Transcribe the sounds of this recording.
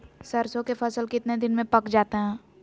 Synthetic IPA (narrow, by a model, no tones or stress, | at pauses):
sɐɾsõkefʰɐsəlkɪt̪ned̪ɪnmẽpɐkd͡ʒaːt̪eɦɛ̃ː